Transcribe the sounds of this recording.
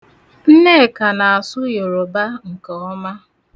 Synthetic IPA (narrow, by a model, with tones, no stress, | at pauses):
n̩˦ne˦˨ka˨na˨a˨sʊ˦jo˨ɾo˨ba˦ŋ̩˨kɔ˨ɔ˦ma˦